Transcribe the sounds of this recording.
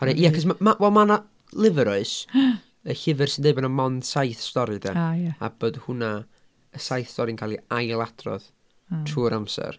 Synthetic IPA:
hɔɾɛʔiːakɔsmamawɛlˠmana | lˠɪvɛɾɔɨs | əɬɪvɨrsɪndeɨbanamɔnd̥sajθstɔɾɨdɛ̰a̰b̥oːdhʊna | əsajθstɔɾinkʰaːlˠiajlˠadrɔ̰ð | tʰuːɾamsɛ̰r

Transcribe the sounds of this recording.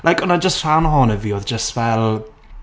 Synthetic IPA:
lʔajkɔnad͡ʒəstr̥anɦɔnəviːoːðd͡ʒəstvɛlˠ

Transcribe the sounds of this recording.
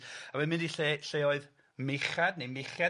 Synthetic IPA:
awɛmɪ̃ndiɬeɬeːɔɨð | mɪχadnemɪχja

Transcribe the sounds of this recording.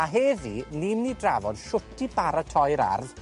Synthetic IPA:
aɦɛːðinimnidravɔd̥ʃʊtʰibaɾatʰɔjɾa̰rð

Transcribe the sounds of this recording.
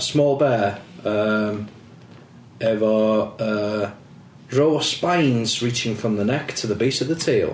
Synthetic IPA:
smɔːlˠbɛːəm | ɛvəə | ɹoʊəspãɪ̃nz̥ɹiˑt͡ʃɪ̃ŋfɹə̃mðənɛktʰəðəbiˑsəvðətʰiːlˠ

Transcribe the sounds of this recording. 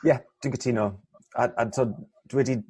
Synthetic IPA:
jɛd̥ɪ̃ŋkʰətʰiːno | aa̰ntʰɔ | d̥wɪdi

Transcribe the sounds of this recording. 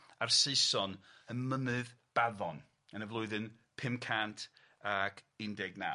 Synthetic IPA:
arseɨsɔnənməmɨðb̥aðɔn | ənəvlˠʊɨðɨn | pʰɪmkʰantʰ | aɡɪndɛɡna̰

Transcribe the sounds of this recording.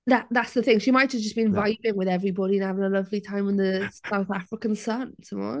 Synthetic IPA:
ðaʔðatsðəθɪ̃ŋʃimaɪt̚d͡ʒʌzd͡ʒʌsb̥iɪ̃ɱvaɪvɪ̃ŋwɪðɛvɹibɒɾiə̃nəvɪ̃ŋəlʌvlitʰãɪ̃mə̃nðəsaʊθafɹɪkə̃nsʌnsʌ̃mɔ̰

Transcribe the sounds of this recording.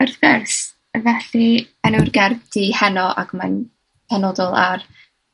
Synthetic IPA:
ərθɡɛrs | vɛɬi | ənurɡɛrbd̥ihɛnɔʔa̰ɡman | pʰɛnɔdɔlˠar

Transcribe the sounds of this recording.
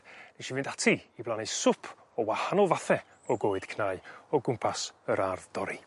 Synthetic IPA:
neʃivɪndatʰiiblˠanɨ̥sʊpʰ | ɔwahanɔlˠvaθɛ | ɔɡoːɨd̥kʰnaɨɔɡʊmpʰasəɾarðd̥ɔɾi

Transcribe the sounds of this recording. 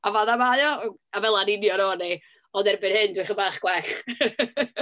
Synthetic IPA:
avaðamajɔavɛlˠanɪnjɔnɔːnej | ɔndɛrbɨnhɨndwɪχəmbaːχɡ̥wɛɬ

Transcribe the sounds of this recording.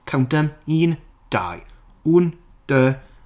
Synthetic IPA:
kʰawndəmiːn | d̥a̰ːj | uːn | d̥ə

